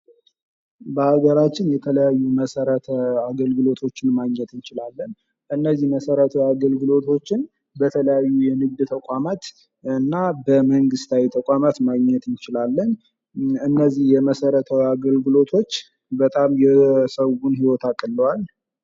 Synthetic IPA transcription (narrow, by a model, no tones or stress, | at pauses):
bəhaɡəɾat͡ʃːɪnjɛt̪ʰələjajːuməsəɾət̪ʰəaɡəlɡɨlo̞t̪ʰo̞t͡ʃːɪnmaɡɲːɛt̪ɨnt͡ʃɪlalːən | ɨnːəzːihməsəɾət̪ʰəwaɡəlɡɨlo̞t̪ʰo̞t͡ʃːɪn | bət̪ʰələjajːujɛnɨɡd̪t̪ʰəkʼamat̪ | ɨnːabəməŋɡɨst̪ʰawit̪ʰəkʷʼamat̪maɡɲːɛt̪ɨnt͡ʃɪlalːəɲ | ɨnːəzːihjɛməsəɾət̪ʰəwaɡəlɡɨlo̞t̪ʰo̞t͡ʃː | bət̪ʼamjɛsəwunɦiwɔt̪ʰakʼːɨlːəwal